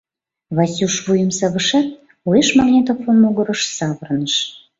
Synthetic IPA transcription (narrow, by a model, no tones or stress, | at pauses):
βɑsʲuʃβujəmsɑβəʃɑt̪̚ | ueʃmɑɣnʲet̪ofomoɣəɾə̆ʃsɑβərnəʃ